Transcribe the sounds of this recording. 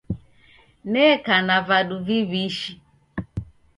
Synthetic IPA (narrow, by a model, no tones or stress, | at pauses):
nɛkanavaduviβiʃi